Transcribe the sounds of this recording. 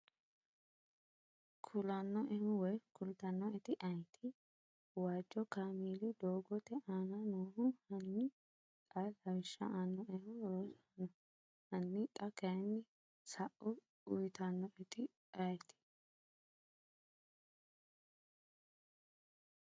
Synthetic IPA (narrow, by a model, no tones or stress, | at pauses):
kʰʊlɐnːɔʔɛhʊwɔjkʊlt̪ɐnːɔɛt̪ɪʔɐjt̪ʰɪ | waːd͡ʒːɔkaːmiːd̪ɪd̪oːɡɔt̪ɛʔaːnɐnuːhʊhɐnːɪ | kʼalɐwɪʃːɐ̰ʔaːnːɔʔɛhʊɾoːsɐnːɔ | hɐnːɪt̪ʼɐkɐjnːɪ | sɐʔʊ | ʊjt̪ɐnːɔʔɛt̪ɪ | ʔɐjt̪ɪ̥